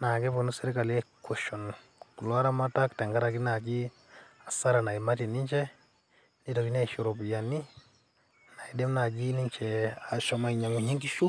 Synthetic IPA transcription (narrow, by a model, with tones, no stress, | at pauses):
na˨ke˦po˨nu˦sɛ˦ɾi˦ka˨lɛ˦kʰo˨ʃɔ˨n | ku˨lɔ˦ɾa˦ma˦ta˦ktɛ˨ŋɡa˦ɾa˨ki˦na˨ɡi˦ | a˨sa˦ɾa˨na˨i˨ma˦ti˨ni˦ɲt͡ʃɛ˦ | ni˦to˨ki˦na˦iʃu˨ɾɔ˨pja˨ni˦ | na˨i˨de˦mna˨d͡ʒi˦ni˦ɲt͡ʃɛ˨a˨ʃɔ˦ma˦i˨ɲa˨ŋu˨ɲi˦ŋɡi˦ʃu˦